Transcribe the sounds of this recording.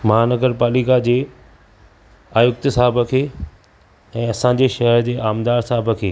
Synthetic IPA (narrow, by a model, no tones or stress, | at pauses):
mɐɦaːnəɡəɾpaːlikad͡ʑeː | aːjʊk̚t̪saːɪbʱəkʰeː | ɛ̃ːɐsãːɲd͡ʑeʃɐɦəɾd͡ʑeːʔaːmd̪aːɾsaːɪbʱəkʰeː